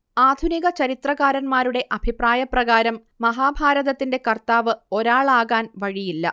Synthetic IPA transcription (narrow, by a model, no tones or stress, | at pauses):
aːd̪ʱuniɣɐt͡ɕɐɾit̪rɐɣaːɾɐnmaːɾuɽe̞ʔɐbʱipraːjɐprɐɣaːɾɐmːɐɦaːbʱaːɾɐðɐt̪ːinde̞kɐrt̪aːʋɨo̞ɾaːɭaːɣaːnʋɐɻijilːɐ̰